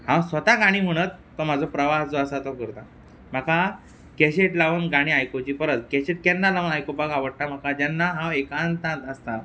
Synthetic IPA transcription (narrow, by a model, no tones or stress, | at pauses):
hãwsʋət̪aɡaɽ̃iːm̤əɽ̃ət̪ːɔm̤ad͡zʱɔpɾəʋaɦd͡zɔəsat̪ɔkəɾt̪a | m̤aka | kɛɕeʈlaʋənɡaɽ̃iːajkot͡ɕifəɾət̪kɛɕeʈ̚kɛnːalaʋənajkobakaʋəɽʈ̪am̤akad͡ʑɛnːaɦãekãnt̪ãt̪əst̪a